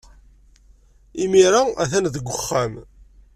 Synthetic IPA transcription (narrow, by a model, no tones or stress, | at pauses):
imiɾaæ̰θænðəɡʷːəχːæm